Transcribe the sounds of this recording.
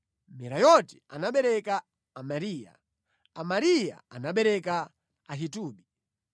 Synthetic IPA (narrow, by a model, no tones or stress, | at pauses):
mɛɾajɔtia̰naɓɛɾɛkaː | maɾiːja̰ | amaɾija̰anaɓɛɾɛka | aɦituːɓi